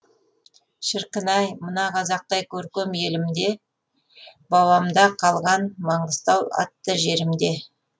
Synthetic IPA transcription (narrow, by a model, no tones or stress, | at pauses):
ʃəɾqənɑjmənɑqʰɑzɑq̚t̪ɑjkʲʰɵɾkʲemje̞lɪmd̪e̞ | bɑwɑmd̪ɑqʰɑlˠʁɑnmɑɴəst̪ɑwɑ̰t̪ːəʒe̞ɾɪmd̪e̞